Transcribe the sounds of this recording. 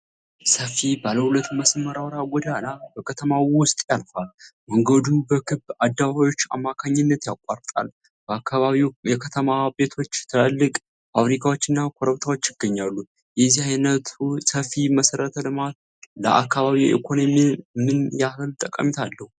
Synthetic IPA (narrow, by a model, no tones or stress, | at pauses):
səfibaləhulət̪ːməsmːəɾawɾaɡɔd̪alabəkʰət̪ʰəmawʊst̪ʼjalfalməŋɡəd̪ubəkʰɨbad̪ːaβaβawo̞t͡ʃːa̰mːakʰaɲːɪnːət̪jakʷʼːaɾt̪ʼa̰l | b̥əakʰːaβaβiwjɛkʰət̪ʰəmabe̞t̪ʰo̞t͡ʃːt̪ʰɨəlːɨkʼ | faβɾikʰawo̞t͡ʃːɨnːakʰo̞ɾəβt̪ʰawo̞t͡ʃːjɪɡːəɲːalːu | jɛzihajnət̪ʰusəfiməsəɾət̪ʰəlɨmat̪̚ | lə̰ʔa̰kːaβaβiwʔḛkʰo̞nomimːɨnjahɨlt̪ʼəkʼə̰mit̪ʰalːəhu